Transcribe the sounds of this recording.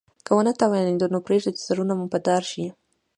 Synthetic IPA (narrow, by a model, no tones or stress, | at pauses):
kəwənat̪awjned̪onopɾeʐd̪et̪z̥aɾunamupəd̪ɑɾʃi